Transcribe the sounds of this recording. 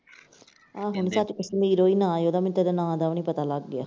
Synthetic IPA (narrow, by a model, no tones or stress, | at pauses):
aːɦʊɳsat͡ʃʊsmiːɾoːiːnãːjoːd̪aːmɪnt̪ed̪anãːd̪aːnĩːpət̪aːləɡːɪaː